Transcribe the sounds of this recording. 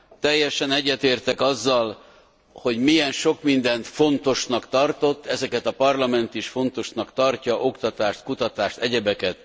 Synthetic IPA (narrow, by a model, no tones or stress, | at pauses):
t̪ɛjːɛʃɛnɛɟːɛt̪eːrt̪ɛkɒzːɒl | ho̞ɟmijɛnʃo̞kmind̪ɛnt̪fo̞nt̪o̞ʃnɒkt̪ɒrt̪o̞t̪ːɛzɛkɛt̪ɒpɒrlɒmɛnt̪iʃfo̞nt̪o̞ʃnɒkt̪ɒrcɒʔo̞kt̪ɒt̪aːʃt̪kut̪ɒt̪aːʃt̪ɛɟɛbɛkɛt̪